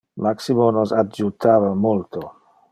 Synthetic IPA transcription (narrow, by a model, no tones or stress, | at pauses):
maksimonosad͡ʒut̪aːvamolt̪o